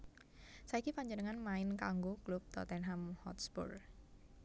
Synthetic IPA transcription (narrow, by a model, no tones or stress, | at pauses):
saikipaɲd͡ʒənəŋanmaɪnkaŋɡoklup̚t̪ɔ̰t̪ɛnɦamhɔ̰t̪sbɔ̰r